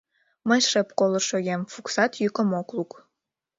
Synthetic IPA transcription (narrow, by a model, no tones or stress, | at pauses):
məjʃə̆pkolə̆ʃojemfuksɑt̪jykə̆mokluk